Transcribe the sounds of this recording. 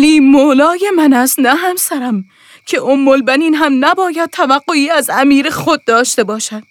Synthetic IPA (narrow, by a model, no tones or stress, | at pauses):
liːmoːlɒːjemænæst̪næɦæmsæɾæm | kʲʰe̞ʔomːolbæniːnɦæmnæbɒːjæd̪̚t̪ʰævæɢːoiːæzæmiːɾexod̪̚ːɒːʃt̪e̞bɒːʃæd̪̥